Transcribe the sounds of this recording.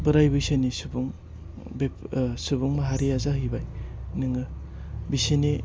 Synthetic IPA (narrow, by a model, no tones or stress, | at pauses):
bɯɾajbɯjsenisubuŋ | besubuŋmaɦaɾijazaɦibajnɯŋɯ | biseni